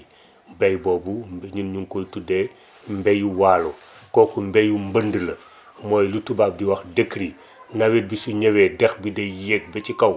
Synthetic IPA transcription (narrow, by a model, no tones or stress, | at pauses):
bɐjbɔːbubɲunɲuŋkojtude | mbɛjuwaːlo | kɔːkumbɛjumbəndəlɐ | mɔːjlutubaːb̚diwɐxdekːɾi | nawet̚bisuɲɛwɛdɛxbidɛjek̚bɛt͡ʃikɐw